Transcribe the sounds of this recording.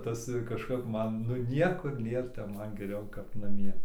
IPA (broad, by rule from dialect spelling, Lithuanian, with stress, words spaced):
ˈtɐs kɐʃˈkɐp ˈmɐn nʊ ˈnʲiɛkʊr ˈnʲeːr tʲɛp ˈmɐn ɡʲɛˈrʲɛʊ kɐp nɐˈmʲiɛ